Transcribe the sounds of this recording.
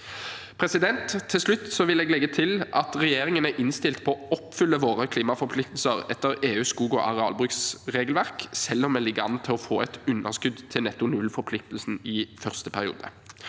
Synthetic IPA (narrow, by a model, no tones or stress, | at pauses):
pʰʁɛsɪd̪ɛnt̪ʰːɪlslʉt̪ːsɔʋɪlɛːɡlɛɡːət̪ʰɪlʔɑt̪ʁɛjeːʁɪŋənæʔɪnst̪ɪlt̪pʰɔːɔpfʏlːəʋoːʁəkʰliːmɑfɔɾpʰlɪk̚t̪l̩səʁɛt̪ːəʁeːʉːskuːɡɔʔɑʁɛɑ̰ːlbʁʉksʁeːɡlʋæʁksɛlːɔmɛlɪɡəɑ̰nt̪ʰɪlɔfoːɛt̪ʉnːə̰ʁskʉd̪t̪ʰɪlnɛt̪ːʊnʉlfɔɾpʰlɪk̚t̪lsn̩ɪfœʁst̪əpʰæʁɪṵːd̪ə